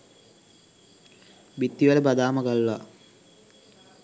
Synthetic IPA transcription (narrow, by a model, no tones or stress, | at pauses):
bit̪ːiʋaləbad̪aːməɡalːa